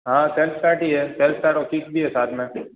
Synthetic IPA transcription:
ɦãːselfʈaːɾʈiɦɛselfʰʈaːʈɔkiːkbʱiɦɛsaːt̪ʰmẽ

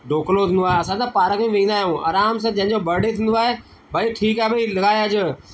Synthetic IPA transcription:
ɖoːklot̪ʰĩnd̪oaːɦeɐsãt̪apaːɾəkʰĩʋẽd̪aɦjũːa̰ːɾaːms̬ãd͡ʑɐ̃ɦɪ̃ɲd͡ʑobʱɐɾɖet̪ʰĩːn̆d̪oaːɦeː | bʱəiʈʰiːkaɦebʱəilɐɡaːjəd͡ʑ

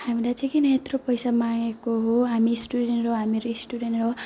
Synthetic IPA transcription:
hamilajt͡sʌ̃ĩkinet̪ropʌjsamaŋekoɦoɦamisʈuɽenʈroɦamiɾoisʈuɽenʈro

